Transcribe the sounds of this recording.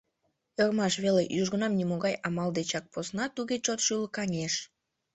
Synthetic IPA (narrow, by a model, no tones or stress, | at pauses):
ermɑʃβelejuʒɣə̆nɑmnʲimoɣɑjɑmɑld̪et͡ɕɑk̚posnɑt̪uɣet͡ɕot̪ʃylkɑnʲeʃ